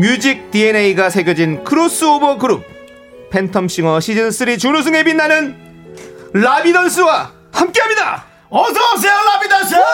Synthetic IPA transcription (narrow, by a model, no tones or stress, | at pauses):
mjud͡ʑik̚tieneiɡasʰe̞ɡjud͡ʑinkʰɯɾos͈ɯobʌɡɯɾup̚ | pʰe̞ntʰʌmɕ͈iŋʌɕʰid͡ʑɯns͈ɯɾit͡ɕunus̬ʰɯŋe̞binːanɯn | labidʌns͈ɯwa | hamk͈eɦamɲida̰ | ʌsʌs̬ʰelabidʌsɯ